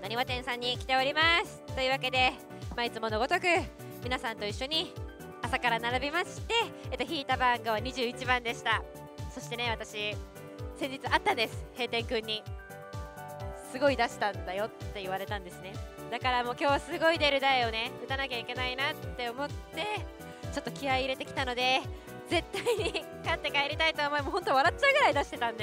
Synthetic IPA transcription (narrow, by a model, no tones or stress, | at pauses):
naɲʲiβat̪ẽɰ̃sãɲ̟ːikʲi̥t̪e̞o̞ɾʲimasɨ̥t̪ːo̞ɯ̟βake̞d̪e̞ | mait͡sɨmo̞no̞ɡo̞t̪o̞kɯ̟ | mʲinasãnt̪o̞iɕːo̞ɲ̟i | asakaɾanaɾabʲimaɕi̥t̪e̞et̪ːoçiːt̪abãŋɡaβaɲ̟iʑɨːit͡ɕibãnd̪e̞ɕi̥t̪a | so̞ɕi̥t̪e̞ne̞βat̪aɕi | sẽ̞ɲ̟d͡ʑit͡sɨat̪ːãnd̪e̞sɨ̥he̞ːt̪ẽ̞ŋkɯ̟̃ɲ̟ːi | sɨɡo̞id̪aɕi̥t̪ãnd̪ajo̞t̪ːe̞ɯβ̞aɾe̞t̪ãnd̪e̞sɨne̞d̪akaɾamo̞ːkʲo̞ːβasɨɡo̞id̪e̞ɾɯ̟d̪aeo̞ne̞ɯ̟t̪anakʲaikʲe̞nainat̪ːe̞o̞mo̞t̪ːe̞ | t͡ɕo̞t̪ːo̞kʲiaiɾe̞t̪e̞kʲi̥t̪ano̞d̪e̞ | ze̞t̪ːaiɲ̟i | kat̪ːe̞kaeɾʲit̪ait̪oːmo̞emo̞ɦo̞nt̪o̞βaɾatt͡ɕːaɯ̟ɡɯ̟ɾaid̪aɕi̥t̪e̞t̪ãnd̪e